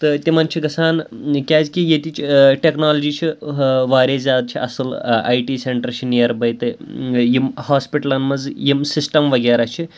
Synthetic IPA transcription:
t̪ɨt̪ʲimɐnt͡ʃʰiɡɐsaːnkʲaːzkijet̪it͡ʃiʈeknaːlɐd͡ʒit͡ʃʰiʋaːɾʲezʲaːd̪̚t͡ʃʰiʔɐ̰sɨla̰jʈiseɳʈɐɾt͡ʃʰinijɐɾbɐjt̪ɨjimhaːspiʈɐlɐnmɐd͡zjimsisʈɐmʋɐɡeːɾaːt͡ʃʰi

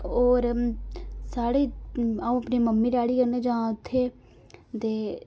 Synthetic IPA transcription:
oːɾ | saːɽeːaːũːəpneːməmːiːɾaːɽiːkəɾneːd͡ʒaːãʊt̪ʰːeː | t̪eː

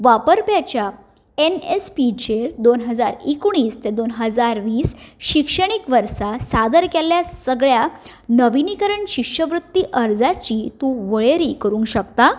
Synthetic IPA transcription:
ʋapəɾpjat͡ɕja | enespit͡ɕeɾd̪onɦəd͡zaɾikuɽ̃iːst̪ed̪onɦəd͡zaɾʋiːsɕikʂəɽ̃ikʋəɾsasad̪əɾkɛljasəɡɭja | nəʋinikəɾəɳɕikʂəʋɾut̪ːiʔəɾd͡zat͡ɕiːt̪ũʋəɭeɾikəɾuːnkɕəkt̪a

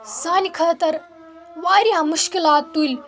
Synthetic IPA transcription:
saːnikʰəːt̪ɐɾ | ʋaːɾiãmuʃkilaːt̪ːujl

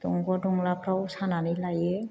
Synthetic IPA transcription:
dɔŋɡɔdɔŋlapʰɾawsananilaje

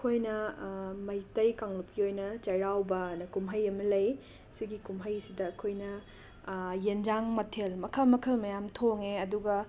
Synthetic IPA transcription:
ɐkʰojnɐmɐjtɐjkaŋlup̚kiojnɐt͡ʃɐjɾawbɐnɐkumɦɐjɐmɐlɐj | siɡikumɦɐjsidɐːkʰojnɐ | jend͡ʒaŋmɐtʰelmɐkʰɐlmɐkʰɐlmɐjamtʰoŋeɐduɡɐ

